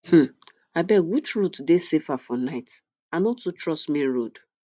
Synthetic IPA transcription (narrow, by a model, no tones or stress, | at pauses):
h̩ | aɪbɛwit͡ʃɹutdesefafɔnaɪt | anɔtːutɹɔsmĩn̩ɹod